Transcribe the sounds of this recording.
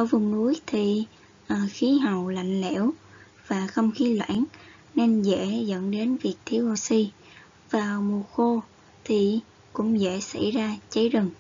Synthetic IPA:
ʔaː˧˩vʊ˨˩ŋ͡mnu˨˦jt̪ʰi˨˩ | ʔxi˨˦ɦa˨˩˨wla̰˧˨jŋ̟lɛ̰˧˥w | vaː˨˩xə˧wŋ͡mxi˨˦lwa̰ː˧˥˦n | ne˧nzɛ̰˧˥zə̰˧˥nɗe˨˦nvi˨˩ək̚t̪ʰi˧əwʔo˧si˧ | vaː˨˩mu˨˩xo˧ | t̪ʰi˨˩ | kʊ̰˧˥ŋ͡mzɛ̰˧˥sa̰˧˥jzaː˧t͡ɕə˨˦jzə˨˩ŋ

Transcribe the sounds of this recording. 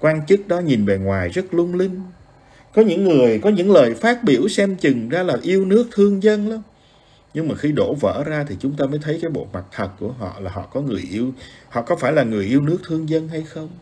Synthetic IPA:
kwaː˧nt͡ɕɨ˦˥k̚ɗɔ˨˦ɲi˨˩nve˨˩ŋwaː˨˩jzə˦˥t̚lʊ˧ŋ͡mlï˧ŋ̟ | kɔ˨˦ɲɨ̰˧˥ŋːɨ˨˩əjkɔ˨˦ɲɨ̰˧˥ŋləː˨˩jfaː˦˥t̚ɓi˧˩əwsɛ˧mt͡ɕɨ˨˩ŋzaː˧laː˨˩ʔi˧əwnɨ˦˥ək̚t̪ʰɨ˧əŋzə˧nla˧ŋ͡m | ɲɨ˧ŋmaː˨˩xi˧ɗo˧˩və̰ː˧˨zaː˧t̪ʰi˨˩t͡ɕʊ˨˦ŋ͡mt̪aː˧məː˨˦jt̪ʰə˨˦jkaː˨˦jɓo̰˧˨ma˨˩k̚t̪ʰə˨˩t̚ku˧˩əɦɔ̰˧˨laː˨˩ɦɔ̰˧˨kɔ˨˦ŋɨ˨˩əjʔi˧əwhɔ̰˧˨kɔ˨˦faː˧˩jlaː˨˩ŋɨ˨˩əjʔi˧əwnɨ˦˥ək̚t̪ʰɨ˧əŋzə˧nɦa˧jxə˧wŋ͡m

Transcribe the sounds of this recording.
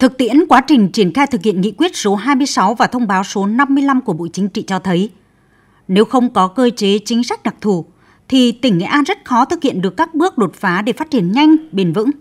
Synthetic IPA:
t̪ʰɨ˨˩k̚t̪ḭ˧˥ənkwaː˨˦t͡ɕï˨˩ŋ̟t͡ɕi˧˩ənxaː˧jt̪ʰɨ˨˩k̚hi˧˨ənŋḭ˧˨kwi˦˥ət̚so˨˦ɦaː˧jmɨ˧əjsa˨˦wvaː˨˩t̪ʰə˧wŋ͡mɓaː˨˦wso˨˦na˧mːɨ˧əjla˧mku˧˩əɓo̰˧˨jt͡ɕï˨˦ŋ̟t͡ɕḭ˧˨t͡ɕɔ˧t̪ʰə˨˦j | ne˨˦wxə˧wŋ͡mkɔ˨˦kəː˧t͡ɕe˨˦t͡ɕï˨˦ŋ̟sa˦˥k̟̚ɗa˨˩k̚t̪ʰu˧˩ | t̪ʰi˨˩t̪ï˧˩ŋ̟ŋḛ˧˨ʔaː˧nzə˦˥t̚xɔ˨˦t̪ʰɨ˨˩hḭ˧˨ənɗɨ˨˩əkːaː˦˥k̚ɓɨ˦˥ək̚ɗo˨˩t̚faː˨˦ɗe˧˩faː˦˥t͡ɕi˧˩ənɲa˧jŋ̟ɓe˨˩nvɨ̰˧˥ŋ

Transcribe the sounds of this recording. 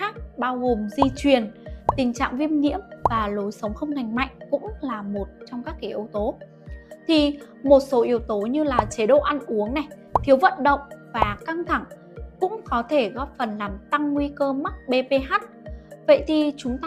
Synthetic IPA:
aː˦˥k̚ɓaː˧wɣo˨˩mzi˧t͡ɕwi˨˩ənt̪ï˨˩ŋ̟t͡ɕa̰ː˧˨ŋvi˧əmŋḭ˧˥əmvaː˨˩lo˨˦jsə˨˦wŋ͡mxə˧wŋ͡mŋa˨˩jŋ̟ma̰˧˨jŋ̟kʊ̰˧˥ŋ͡mlaː˨˩mo˨˩t̚t͡ɕɔ˧wŋ͡mkaː˦˥kːa˨˦ʔi˨˦wt̪o˨˦ | t̪ʰi˨˩ | mo˨˩t̚so˨˦ʔi˨˦əwt̪o˨˦ɲɨ˧laː˨˩t͡ɕe˨˦ɗo̰˧˨ʔa˧nʔu˨˦əŋna˨˩j | t̪ʰi˨˦əwvə̰˧˨nɗə̰˧˨wŋ͡mvaː˨˩ka˧ŋt̪ʰa˧˩ŋ | kʊ̰˧˥ŋ͡mkɔ˨˦t̪ʰe˧˩ɣɔ˦˥p̚fə˨˩nlaː˨˩mt̪a˧ŋːwi˧kəː˧ma˦˥t̚ɓe˧pe˧ɦaː˦˥t̚və̰˧˨jt̪ʰi˨˩t͡ɕʊ˨˦ŋ͡mt̪ː

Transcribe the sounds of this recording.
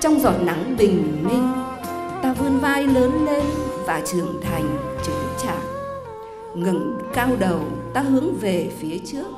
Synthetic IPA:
t͡ɕɔ˧wŋ͡mzɔ˨˩t̚na˨˦ŋɓï˨˩ŋ̟mï˧ŋ̟ | t̪aː˧vɨ˧ənvaː˧jləː˨˦nle˧nvaː˨˩t͡ɕɨ˨˩əŋt̪ʰa˨˩jŋ̟t͡ɕɨ˨˦ŋt͡ɕa̰ː˧˨˩k̚ | ŋə̰˧˥nkaː˧wɗə˨˩wt̪aː˧hɨ˨˦əŋve˨˩fi˨˦ət͡ɕɨ˦˥ək̚

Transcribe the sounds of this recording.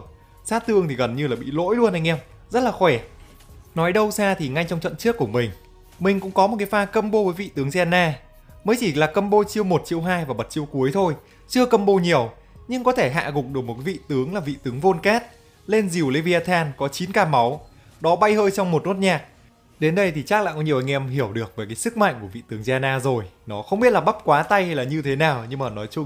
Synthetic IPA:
saː˦˥t̚t̪ɨ̰˧əŋt̪ʰi˨˩ɣə˨˩nɲɨ˧laː˨˩ɓḭ˧˨lo̰˧˥jlu˧ənʔa˧jŋ̟ʔɛ˧wm | zə˦˥t̚laː˨˩xwɛ˧˩ | nɔ˨˦jɗə˧wsaː˧t̪ʰi˨˩ŋa˧jt͡ɕwŋ͡mt͡ɕə̰˧˨nt͡ɕɨ˦˥əkːu˧˩əmï˨˩ŋ̟ | mï˨˩ŋ̟kʊ̰˧˥ŋ͡mkɔ˨˦mo˨˩tkaː˨˦jfaː˧kə˧mɓo˧vəː˨˦jvḭ˧˨t̪ɨ˨˦əŋzɛ˧nːaː˧ | məː˨˦jt͡ɕi˧˩laː˨˩kə˧mɓo˧t͡ɕi˧əwmo˨˩t̚t͡ɕi˧əwɦaː˧jvaː˨˩ɓə˨˩t̚t͡ɕi˧əwku˨˦əjt̪ʰo˧j | t͡ɕɨ˧əkə˧mɓo˧ɲi˨˩əw | ɲɨ˧ŋkɔ˨˦t̪ʰe˧˩ɦa̰ː˧˨ɣʊ˨˩k͡p̚ɗɨ˨˩m̚˨˩k̬aː˨˦vḭ˧˨t̪ɨ˨˦əŋlaː˨˩vḭ˧˨t̪ɨ˨˦əŋvo˧nkɛː˦˥t̚ | le˧nzi˨˩wle˧vi˧aː˧t̪ʰaː˧nkɔ˨˦t͡ɕi˨˦nkaː˧˩ma˨˦w | ɗɔ˨˦ɓa˧jhəː˧jt͡ɕɔ˧wŋ͡mmo˨˩t̚no˦˥t̚ɲaː˨˩k̚ | ɗe˨˦nɗə˧jt̪ʰi˨˩t͡ɕaː˦˥k̚a̰ː˧˨jkɔ˨˦ɲi˨˩əʔa˧jŋ̟ʔɛ˧mhɦi˧˩əwɗɨ˨˩ək̚vəː˨˦kaː˨˦jsɨ˦˥k̚ma̰˧˨jŋ̟ku˧˩əvḭ˧˨t̪ɨ˨˦əŋzaː˧naː˧zo˨˩jnɔ˨˦xə˧wŋ͡mɓi˦˥t̚laː˨˩ɓə˦˥p̚kwaː˨˦t̪a˧jha˧jlaː˨˩ɲɨ˧t̪ʰe˨˦naː˨˩wɲɨ˧ŋmaː˨˩nɔ˨˦jt͡ɕʊ˧ŋ͡m

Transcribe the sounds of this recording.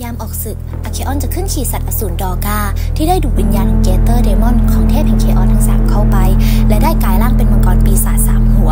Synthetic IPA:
jaː˧mʔɔː˨˩k̚sɯ˨˩k̚ʔa˧˩kʰeː˧˥ʔɔː˧˥˨nt͡ɕa˨˩kʰːɯ˥˩nkʰiː˨˧˩sa˨t̪̚ʔa˧suː˩˦ndɔː˧kaː˥˩t̪ʰiː˥˩daː˥˩jduː˨˩wi˧njaː˧nɔ˨˧˩ŋkeː˧t̪ɤː˥˩deː˧mɔ˥˨nkʰɔː˧˩ŋt̪ʰeː˥˩p̚hɛ˨˩ŋkʰeː˧ʔɔː˧˩nt̪ʰa˨˩ŋsaː˨˩˦mkʰa˥˩wpa˧jlɛ˦˥daː˥˩jkaː˧jlaː˥˩ŋpe˧nba˧kɔː˨˩npiː˧saː˨˩t̪̚saː˨˩˦mhu˩˦ɐ

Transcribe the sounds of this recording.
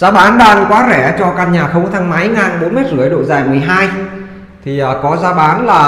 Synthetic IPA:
zaː˨˦ɓaː˨˦nɗaː˧ŋkwaː˨˦zɛ˧˩t͡ɕɔ˧kaː˧nɲaː˨˩xə˧wŋ͡mt̪ʰa˧ŋma˨˦jŋaː˨˩nɓo˨˦nme˦˥t̚zɨ̰˧˩əjɗo̰˧˨zaː˨˩jmɨ˨˩əjɦaː˧j | t̪ʰi˨˩ʔəː˨˩kɔ˨˦zaː˨˦ɓaː˨˦nlaː˨˩

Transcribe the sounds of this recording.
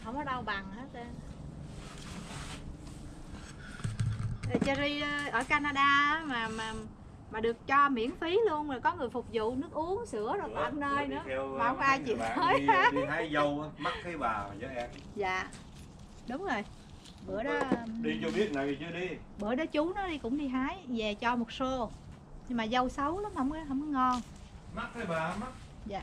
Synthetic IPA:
hə˧wŋ͡mnɔ˨˦ɗa˧wɓa˨˩ŋhə˦˥t̚ə˧˨ | ʔə˨˩t͡ɕa˧zi˧ʔʔəː˧˩kaː˧naː˧ɗaː˧ʔaː˨˦maː˨˩maː˨˩ | maː˨˩ɗɨ˨˩ək̚t͡ɕɔ˧mḭ˧˩˥ənfi˨˦lu˧ənmaː˨˩kɔ˨˦ŋɨ˨˩əjfʊ˨˩k͡p̚zṵ˧˨nɨ˦˥ək̚ʔu˨˦əŋsɨ˧˩˦əzo˨˩jkaː˨˧mnəː˧jnɨ̰˧˥əɛ˧wwʔaː˧jt͡ɕḭ˧˨ɔ˨˦jha˨˦jzə˧wʔaː˨˦ma˦˥t̚kaː˨˦jɓaː˨˩ma˨˩zəː˨˦ʔɛ˧n | za̰ː˧˨ | ɗʊ˨˦wŋ͡mzo˨˩j | ɓə˧˩əjɗɔ˨˦ɗi˧t͡ɕo˧ɓi˦˥ət̚na˨˩ji˨˩t͡ɕɨ˨˦əɗi˧ | ɓəː˧˩əɗɔ˨˦t͡ɕʊ˨˦nɔ˨˦ɗi˧kʊ̰˧˥ŋ͡mɗi˧ɦaː˨˦jvɛ˨˩t͡ɕɔ˧mo˨˩t̚so˧ | ɲɨ˧ŋmaː˨˩zə˧wsə˨˦wla˨˦mhə˧˥wŋ͡mkːɦə˧˥wŋ͡mkɔ˨˦jŋɔ˧n | ma˦˥k̚kaː˨˦jɓaː˨˩˦ma˦˥k̚ | za̰ː˨

